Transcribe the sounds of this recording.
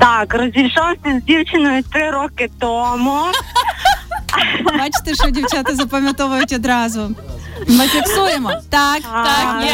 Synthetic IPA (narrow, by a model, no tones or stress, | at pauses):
t̪akrɔzʲijʲʃɔwsʲɐzʲdʲiwt͡ʃɪnɔjʊt̪ɾɪɾɔkɪt̪ɔmʊ | bat͡ʃɪ̥t̪ɛʃɔdʲiwt͡ʃat̪ɪzɐpɐmʲjɐt̪ɔʋʊjʊtʲɔd̪ɾɑzʊmɪfʲɪksujemɔt̪ak̪a